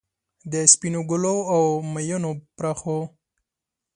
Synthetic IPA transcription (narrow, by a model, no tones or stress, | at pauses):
d̪əspinoɡʊloawmajunopɾaxo